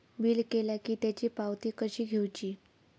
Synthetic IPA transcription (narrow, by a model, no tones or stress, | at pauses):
biːlkelakiːt̪jat͡ɕiːpawt̪iːkəɕiːɡʱewt͡ɕiː